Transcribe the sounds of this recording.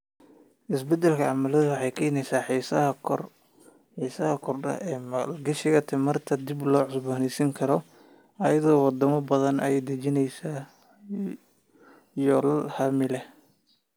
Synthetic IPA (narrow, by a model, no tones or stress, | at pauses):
ʔɪsbɛd̪ɛlkʰɐʕɑmɐlɐðʊwɑħɑjkʰɐɪnɛjsaːħiːsɐɐr | ħiːsɐhɐkʰɔrɐ̰ɛːmɐlɡɐʃɪɣɐt̪ʰɛmɐrt̪ʰɐd̪ɪblɔːʕʊsbaːnɛsiŋkʰɐɾɔ | ʔɐjɐðɔːwɑd̪ɐmɐbɐðɐnɐjɛd̪ɐt͡ʃɪnɛjsaː | jɔːlɐlhɐmɪlɛ